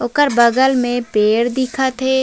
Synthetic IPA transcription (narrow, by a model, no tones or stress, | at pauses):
ʊkəɾbɐɡəlmẽpeːɽd̪ɪkʰat̪ʰeː